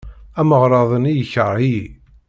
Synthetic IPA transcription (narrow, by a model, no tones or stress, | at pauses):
æməʁɾˤɑðˤənijəçəɾˤi